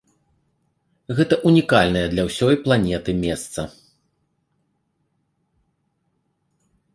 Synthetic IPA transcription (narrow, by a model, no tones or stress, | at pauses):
ɣɛt̪ɐʔunʲikalʲnɐjɐd̪lʲɐwsʲɔjplˠanʲɛt̪ɨmʲɛst̪sɐ